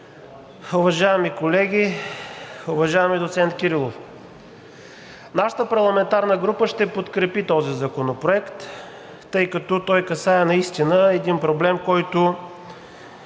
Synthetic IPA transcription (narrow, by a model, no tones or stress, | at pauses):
ʊvɐʒajɛmikolɛɡʲi | ʊvɐʒaɛmid̪ot̪sɛnt̪kʲiɾilˠof | naʃə̥t̪əpɐɾlˠɐmɛnt̪aɾnəɡɾupəʃt̪ɛpot̪kɾɛpit̪ɔzizɐkonopɾoɛkt̪ː | ɤjkɐt̪ɔt̪ɔjkɐsaɛnɐist̪inəɛd̪inpɾoblɛmkɔjt̪ʊ